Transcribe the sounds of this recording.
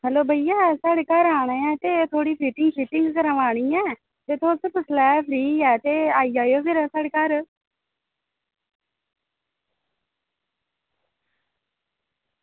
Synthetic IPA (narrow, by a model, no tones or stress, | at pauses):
ɦɛːloːbʱəijaːsaːɽeːkaːɾaːɽ̃ẽːɛːt̪eːt̪ʰoːɽiːpʰiːʈɪŋɡpɪːʈɪ̃ŋɡkəɾaʋaːɽ̃iːɛ̃ː | t̪eːt̪ʰoːspəslɛːpʰɾiːɛːt̪eːaːiːd͡ʒaːjoːpʰɪɾasaːɽeːkaːɾ